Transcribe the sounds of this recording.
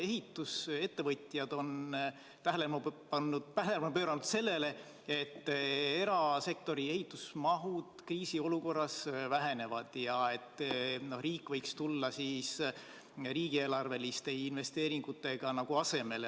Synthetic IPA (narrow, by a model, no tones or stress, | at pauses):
e̞ɦit̪ːˑuse̞t̪ːe̞vɤt̪ʲˑjɑd̪̥o̞n | t̪æɦælemɑpɑnːu̥pæɦemɑpø̞ːɾɑnud̪̥se̞lːe̞le̞ | e̞t̪ːe̞ɾɑse̞kt̪o̞ɾie̞ɦit̪ːˑusmɑɦud̪̥kriːsio̞luko̞rːɑsvæɦe̞ne̞vɑd̪̥jɑe̞t̪ːno̞hriːkːˑvɤjkst̪ulːɑsiːs | riːɡ̥ie̞ːlɑrve̞list̪e̞inve̞st̪e̞ːɾiŋɡ̥ut̪ːˑe̞ɡ̥ɑnɑɡ̥uɑse̞me̞l